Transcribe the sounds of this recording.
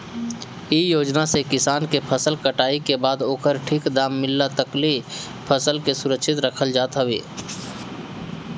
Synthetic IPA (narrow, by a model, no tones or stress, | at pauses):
ijoːd͡ʒnasekɪsaːnkepʰəsəlkəʈaːikebaːd̪oːkəɾʈʰikd̪aːmːɪlːat̪əkli | pʰəsəlkesʊɾəkʃʰɪt̪ɾəkʰəld͡ʒaːt̪ɦəbeː